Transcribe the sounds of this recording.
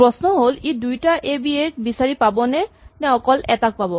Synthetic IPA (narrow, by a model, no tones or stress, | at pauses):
pɹɔsnɔɦolidujtaʔebiet̚bisaɹipabɔnɛnɛ̃ɔkɔlɛtak̚pabɔ